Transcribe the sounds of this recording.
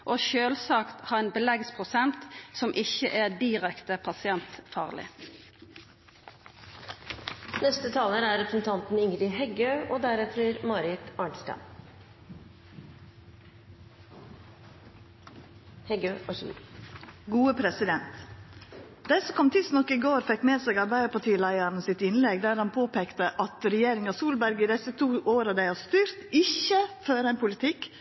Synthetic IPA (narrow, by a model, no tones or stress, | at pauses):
ʔoːʃøːlsɑːkt̪hɑːʁeːnbəlɛɡspʰʁʊsɛnt̪sɔmʔɪçə̰ʔæd̪ɪʁɛkt̪əpʰɑsɪɛnt̪fɑ̰ːʁlɪ̰ | nɛst̪ət̪ʰɑːləɾæɾɛpɾəsn̩t̪ʰɑnt̪n̩ɪŋɾɪɦɛɡøːʔoːd̪æɾɛt̪ʰɾəɾmɑɾɪt̪ɑːɳsʈɑ̰n | hɛɡøːʔɔʃḭ | ɡuːəpʰɾɛsɪd̪ɛnt̪ | d̪̥ɛsɔkʰɔmt̪ʰɪst̪nɔkːɪɡoːɾfɛkmeːsɛːɡɑɾbæɪəpʰɑʈʰiːlæɪəɾnəsɪt̪ɪnlɛɡd̪æːɾhɑnpʰoːpeːkt̪əʔɑt̪ɾɛjeːɾɪŋɑsuːlbæɾɡɪd̪ɛsət̪ʰuːʔoːɾəd̪æɪhɑst̪yːɾt̪ɪçəføːɾæɪnpʰʊlɪt̪ʰɪk